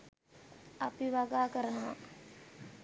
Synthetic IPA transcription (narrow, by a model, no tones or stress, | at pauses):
apiʋaɡaːkəɾənəʋa̰